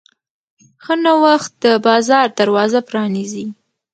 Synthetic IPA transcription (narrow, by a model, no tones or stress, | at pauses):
xənawaxt̪̚d̪əbɑzɑɾd̪aɾwɑzapɾɑnizi